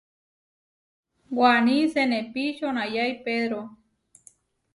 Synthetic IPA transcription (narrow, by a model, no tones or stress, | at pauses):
ɡwanĩsenẽpiʃoñãjajpeðɾo